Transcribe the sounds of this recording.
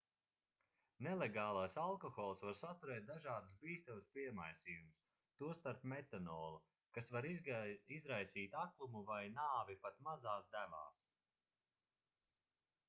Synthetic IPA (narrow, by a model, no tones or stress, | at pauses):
nɛleɡɑːlˠajsalˠkɔxɔːlˠsvaɾsat̪uɾɛːt̪̚d̪aʒaːd̪usbiːst̪amuspiɛmajsiːjumus | t̪uɔst̪aɾpmet̪anɔːlˠu | kasvaɾizɾajsiːt̪aklˠumuvajnaːvipat̪mazaːsd̪æma̰ːs